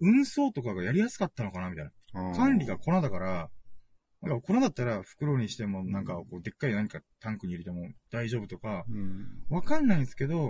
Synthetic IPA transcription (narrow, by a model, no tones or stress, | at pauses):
ɯ̟̃ɰ̃so̞ːt̪o̞kaɡajaɾʲijasɨ̥kat̪ːano̞kanamʲit̪ainakʰãnɾʲiɡako̞nad̪akaɾa | nãŋkakonad̪at̪ːaɾaɸɯ̟̥kɯ̟ɾo̞ːɲ̟iɕi̥t̪e̞mo̞nãŋkako̞ːd̪e̞kːaɾʲinaɲ̟ikat̪ãŋkɯ̟ɲ̟iɾet̪e̞mo̞d̪̥aiʑo̞ːbɯ̟t̪o̞ka | βakanːaĩsɨ̥ke̞d̪o̞